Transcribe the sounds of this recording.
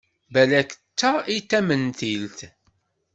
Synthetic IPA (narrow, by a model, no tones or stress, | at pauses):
bælækə̥t͡sːait̪ːæmənθilt̪